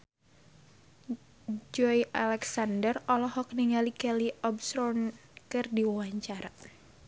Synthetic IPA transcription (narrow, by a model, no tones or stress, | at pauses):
d͡ʒɔiʔalɛksandərɔlɔhɔk̚niŋalikɛliʔɔbsɾɔnkɨrdiwawaɲt͡ʃaɾa